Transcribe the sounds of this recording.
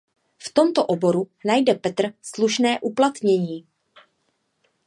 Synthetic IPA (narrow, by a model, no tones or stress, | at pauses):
ft̪o̞mt̪oʔobo̞ɾunajdɛpɛt̪r̩sluʃnɛːʔuplat̪ɲɛɲiː